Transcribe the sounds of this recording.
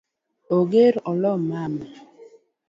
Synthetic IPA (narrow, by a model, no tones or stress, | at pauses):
oɡeɾɔlɔmama